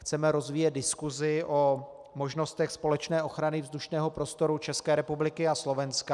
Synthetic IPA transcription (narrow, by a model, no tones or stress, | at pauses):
xt͡sɛmɛɾo̞zviːjɛt̪̚dɪskuzɪʔo̞ | mo̞ʒno̞st̪ɛxspo̞lɛt͡ʃnɛːʔo̞xɾanɪvzd̪uʃnɛːɦo̞pɾo̞st̪o̞ɾut͡ʃɛskɛːɾɛpublɪkɪaslo̞vɛnska